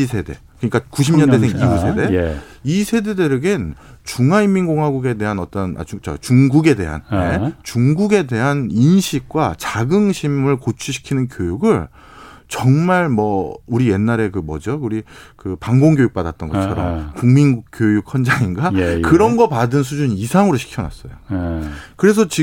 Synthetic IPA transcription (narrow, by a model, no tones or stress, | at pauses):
isʰe̞de̞̰kɯɲik͈akuɕʰimɲʌndesʰeŋiɡusʰe̞de̞ | isʰe̞de̞de̞ɾɯɡen | t͡ɕuŋɦaimːinɡoŋɦwaɡuɡe̞de̞ɦanʌt͈ʌna̰t͡ɕut͡ɕʌ̰t͡ɕuŋɡuɡe̞de̞̰ɦa̰nnet͡ɕuŋɡuɡe̞de̞ɦaninɕʰik̚k͈wat͡ɕaɡɯŋɕʰimɯɭkot͡ɕʰuɕʰi̥kʰinɯnkjojuɡɯɭ | t͡ɕʌŋmaɭmwʌuɾije̞nːaɾe̞kɯmʌ̰d͡ʑʌuɾikɯpaŋɡoŋɡjojuk̚p͈adat̚t͈ʌnɡʌt͡ɕʰʌɾʌ̰mkuŋminkjojuk̚ʰʌnd͡ʑaŋinɡakɯɾʌnɡʌpadɯns̬ʰud͡ʑuɲisʰaŋɯɾoɕʰi̥kʰjʌnwa̰s͈ʌjo | kɯɾe̞s̬ʰʌt͡ɕi